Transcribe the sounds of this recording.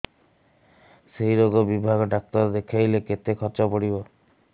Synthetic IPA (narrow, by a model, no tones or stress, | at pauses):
seɦiɾoɡɔbibʱaɡɔɖak̚t̪ɔɾd̪ekʰajleket̪ekʰɔɾt͡ʃɔpɔɽibɔ